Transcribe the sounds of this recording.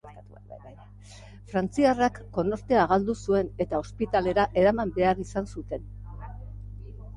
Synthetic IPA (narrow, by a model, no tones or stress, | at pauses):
fɾant͡siarakːo̞no̞ɾt̪e̞aɣald̪usue̞ne̞t̪ao̞spit̪ale̞ɾaʔe̞ɾamambe̞arisansut̪e̞n